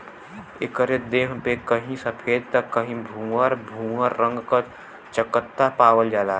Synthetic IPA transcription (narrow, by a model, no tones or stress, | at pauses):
ḛkəɾed̪eːɦpekəɦĩsəpʰeːd̪̚t̪əkːəɦĩbʱũəɾbʱũəɾːə̃ŋɡka | t͡ʃəkət̪ːapaːʋəld͡ʒaːla